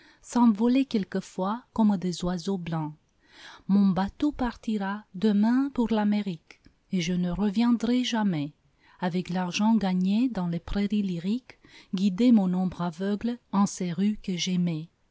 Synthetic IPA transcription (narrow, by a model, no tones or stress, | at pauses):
sɑ̃vɔlekɛlkəfwakɔmd̪ezwazoblɑ̃ | mɔ̃bat̪opaʁt̪iʁad̪əmɛ̃puʁlameʁik | eʒənəʁəvjɛ̃d̪ʁɛʒamɛ | avɛklaʁʒɑ̃ɡaɲed̪ɑ̃lepʁeʁiliʁikɡid̪emɔ̃nɔ̃bʁavœɡlɑ̃sɛʁykəʒɛmɛ